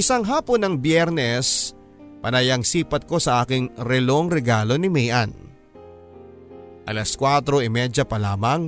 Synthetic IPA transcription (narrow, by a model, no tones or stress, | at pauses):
ɪsaŋɦaːpo̞nːɐŋbjɛɾnɛs | pɐnɐjɐŋsiːpɐt̪̚ko̞sɐʔaːkɪŋɾɛloŋɾɛɡaːlo̞nɪmɛjʔan | ʔɐlɐskwaːt̪ɾo̞ʔɪmɛd͡ʒɐpɐlaːmɐŋ